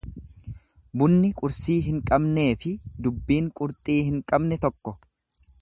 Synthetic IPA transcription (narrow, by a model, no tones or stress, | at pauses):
bʊnːɪkʼʊɾsiːɦɪŋkʼɐbne̞ːfɪd̪ʊbːiːŋkʼʊɾt̪ʼiːhɪŋkʼɐbnɛt̪ɔkːɔ